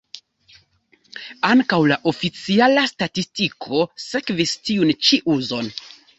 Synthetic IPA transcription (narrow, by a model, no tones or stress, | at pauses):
aŋkawlaʔo̞fit͡sialastatistikʰo̞se̞kvistiunt͡ʃiʔuzo̞n